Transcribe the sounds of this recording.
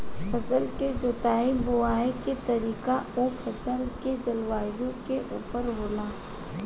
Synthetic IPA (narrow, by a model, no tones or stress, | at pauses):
pʰɐsəlked͡ʒoːt̪aːibʊaːeket̪ɐɾiːkaopʰɐsəlked͡ʒɐlwaːjõkeʔuːpəɾɦoːlaː